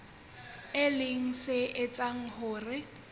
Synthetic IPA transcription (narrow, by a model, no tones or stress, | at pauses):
ɪlɪŋ̩sɪʔɪt͡sʼaŋ̩hʊːrɪ